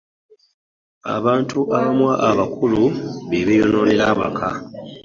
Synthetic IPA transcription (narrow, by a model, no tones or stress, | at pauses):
a̰βaːntuʔaβamwaʔːβakʰuluβeβejono̞ːnilaβa̰kʰa